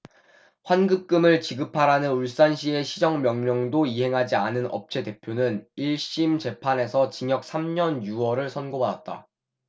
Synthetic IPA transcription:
ɸwanɡɯp̚k͈ɯmɯɭt͡ɕiɡɯpʰaɾanɯnuɭs͈anɕʰie̞ɕʰid͡ʑʌŋmjʌŋmjʌŋdoiɦe̞ŋɦad͡ʑianɯnʌ̰p̚t͡ɕʰe̞de̞pʰjonɯniɭɕ͈imt͡ɕe̞pʰane̞sʰʌt͡ɕiŋjʌk̚s͈ʰamɲʌnjuwʌɾɯɭsʰʌnɡobadat̚t͈a̰

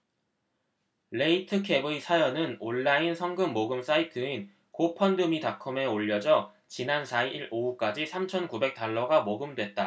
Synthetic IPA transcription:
leitʰɯkʰe̞bɯisʰajʌnɯnoɭːainsʰʌŋɡɯmːoɡɯms͈aitʰɯin | kopʰʌndɯmitakʰɯme̞oʎːʌd͡ʑʌ | t͡ɕinansʰaiɾouk͈ad͡ʑisʰamt͡ɕʰʌnkube̞k̚t͈aɭːʌɡamoɡɯmdwe̞t̚t͈a

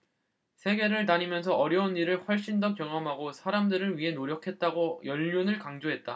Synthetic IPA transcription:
sʰe̞ɡe̞ɾɯɭnaɲimjʌnsʰʌʌɾjʌunːiɾɯɭɸwʌɭɕ͈indʌkjʌŋɦamɦaɡosʰaɾamdɯɾɯɭɥiɦe̞noɾjʌkʰe̞t̚t͈aɡojʌʎːonɯɭkaŋd͡ʑoɦe̞t̚t͈a

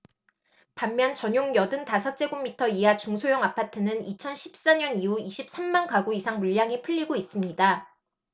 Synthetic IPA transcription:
pamːjʌnt͡ɕʌɲoŋjʌdɯntasʰʌt͡ɕ͈e̞ɡomːitʰʌiat͡ɕuŋsʰojʌŋapʰatʰɯnɯnit͡ɕʰʌnɕʰi̥p̚s͈aɲʌniuiɕʰip̚s͈amːankaɡuisʰaŋmuʎːaŋipʰɯʎːiɡois͈ɯmɲida

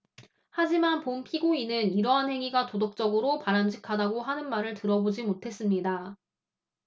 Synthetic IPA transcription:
had͡ʑimanpompʰiɡoinɯniɾʌɦanheŋiɡatodok̚t͡ɕ͈ʌɡɯɾopaɾamd͡ʑʰikʰadaɡoɦanɯnmaɾɯɭtɯɾʌbod͡ʑimotʰe̞s͈ɯmɲida

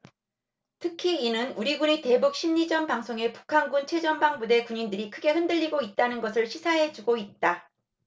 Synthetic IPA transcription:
tʰɯkʰiːnɯnuɾiɡunite̞buk̚ɕ͈ʰimɲid͡ʑʌmpaŋsʰoŋe̞pu̥kʰanɡunt͡ɕʰwe̞d͡ʑʌmbaŋbude̞kuɲindɯɾikʰɯɡe̞hɯndɯʎːiɡoit̚t͈anɯnɡʌsʰɯɭɕʰisʰaɦe̞d͡ʑuɡoit̚t͈a

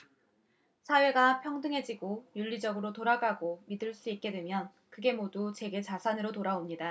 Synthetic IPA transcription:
sʰawe̞ɡapʰjʌŋdɯŋɦe̞d͡ʑiɡojuʎːid͡ʑʌɡɯɾotoɾaɡaɡomidɯɭs͈uit̚k͈e̞dwe̞mjʌn | kɯɡe̞modut͡ɕwe̞ɡe̞t͡ɕasʰanɯɾotoɾaomɲida

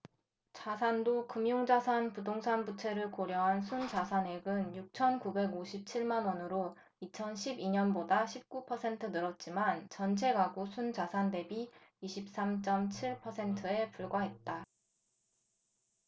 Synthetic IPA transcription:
t͡ɕasʰandokɯmjoŋd͡ʑasʰanpudoŋsʰanbut͡ɕʰe̞ɾɯɭkoɾjʌɦansʰund͡ʑasʰane̞ɡɯnjuk̚t͡ɕʰʌnkube̞ɡoɕʰip̚t͡ɕʰiɭmanwʌnɯɾo | it͡ɕʰʌnɕʰibiɲʌnbodaɕʰip̚k͈upʰʌsʰe̞ntʰɯnɯɾʌt̚t͡ɕ͈imant͡ɕʌnt͡ɕʰe̞ɡaɡosʰunt͡ɕasʰande̞biiɕʰip̚s͈amt͡ɕ͈ʌmt͡ɕʰiɭpʰʌsʰe̞ntʰɯe̞puɭɡwaɦe̞t̚t͈a

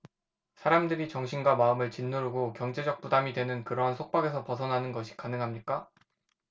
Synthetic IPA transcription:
sʰaɾamdɯɾit͡ɕʌŋɕʰinɡwamaɯmɯɭt͡ɕinːoɾuɡokjʌŋd͡ʑe̞d͡ʑʌk̚p͈udamidwe̞nɯnkɯɾʌɦansʰok̚p͈aɡe̞sʰʌpʌsʰʌnɦanɯnɡʌɕʰi̥kanɯŋɦamɲik͈a

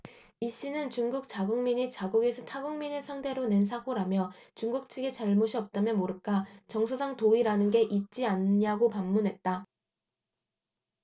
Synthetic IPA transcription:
iɕ͈inɯnt͡ɕuŋɡuk̚t͡ɕaɡuŋmiɲit͡ɕaɡuɡe̞sʰʌtʰaɡuŋminesʰaŋtʰe̞ɾone̞ns̬ʰakoɾamjʌt͡ɕuŋɡuk̚t͡ɕʰiɡet͡ɕaɭmoɕʰiʌp̚t͈amjʌnmoɾɯk͈at͡ɕʌŋsʰosʰaŋtoiɾanɯnɡe̞ʔit̚t͡ɕ͈ianɲaɡopamːunɦe̞t̚t͈a

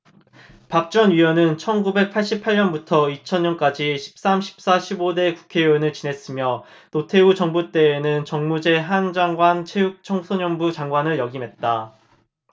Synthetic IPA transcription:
pak̚t͡ɕ͈ʌnɥiʌnɯnt͡ɕʰʌnɡube̞k̚pʰaɭɕ͈ipʰaɭɲʌnbutʰʌit͡ɕʰʌnɲʌnk͈ad͡ʑiɕʰi̥p̚s͈amɕʰi̥p̚s͈aɕʰibode̞ku̥kʰe̞onɯɭt͡ɕinɦe̞s͈ɯmjʌ | totʰe̞ut͡ɕʌŋbut͈e̞ːnɯnt͡ɕʌŋmud͡ʑe̞ɦand͡ʑaŋɡwant͡ɕʰe̞juk̚t͡ɕʰʌŋsʰoɲʌnbud͡ʑaŋɡwanɯɭjʌɡimɦe̞t̚t͈a

